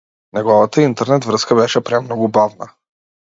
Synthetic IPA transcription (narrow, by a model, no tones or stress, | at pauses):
nɛɡɔvat̪əint̪ɛɾnɛt̪vɾɤskəbɛʃɛpɾɛmnɔɡʊbavnə